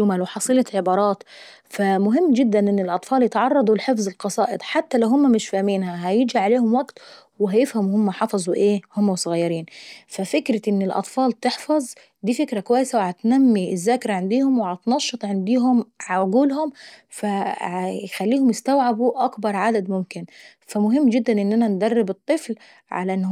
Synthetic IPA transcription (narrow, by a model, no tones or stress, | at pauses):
ʊmælweħɑsˤiːlɑʕebɑːɾˤɑːt̪ | fæmʊɦɪmːd͡ʒɪd̪ːænʔɪnːɪlʔɑt̪ˤfɑːljet̪ʕɑrˤːɑd̪ˤulħefzˤelqɑsˤɑːʔed̪ˤħat̪ːælæwɦʊmːæmɪʃfæhmiːnhæɦæjɪd͡ʒiʕaleːhʊmwæɡt̪ | wɪɦæjɪfhæmhʊmːæħɑfɑzˤuʔeːhʊmːæwsˤʊɣɑjːɑɾiːnfæfɪkɾɪʔɪnːɪlʔɑ̰t̪ˤfɑːlt̪eħfɑzˤ | d̪iːfɪkɾakʊwæjːɪsawɪhæt̪næmːiɪzːaːkɾaʕand̪iːhʊmwɪhæt̪nɑʃːɨt̪ˤʕɪnd̪iːɦʊmʕʕʊɡuːlhʊmfajxælːiːhʊmjɪst̪awʕabuʔakbɑɾˤʕad̪ad̪mʊmkɪn | fæmʊɦɪmːd͡ʒɪd̪ːanʔɪnːʔænænd̪ærˤːɪbɨt̪ˤːɨfl | ʕa̰læʔɪnː